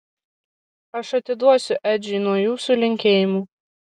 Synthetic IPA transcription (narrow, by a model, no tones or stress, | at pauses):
ɐʃɐt̪ʲɪd̪uɔsʲʊʔæd͡ʒʲiːnuɔjuːsulʲɪŋʲkʲeːjɪmuː